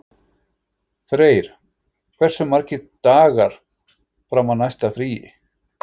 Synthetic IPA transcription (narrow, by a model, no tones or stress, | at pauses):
fɾeːjɾ̥ | kʰvɛr̥sʏmaɾ̥cɪt̪aːɣaɾ̥ | fɾawmaðnajst̪afɾiːjɪ̰